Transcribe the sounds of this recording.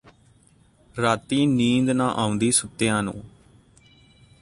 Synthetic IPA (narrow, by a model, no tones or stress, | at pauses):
ɾaːt̪iːniːnd̪nãːʔaːʊ̃nd̪iːsʊt̪ːɪjãːnṵ̃ː